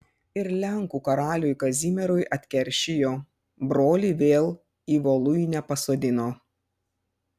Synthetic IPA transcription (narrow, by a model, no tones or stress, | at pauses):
ɪɾlʲɛŋkuːkɐɾɑːlʲʊjkɐzʲimʲɛɾʊjʔɐt̪ʲkʲɛɾʲˑʃʲɪjoː | bɾoːlʲiːʋʲeːlˠ | iːʋoːlˠʊjnʲɛpɐsoːd̪ʲɪnoː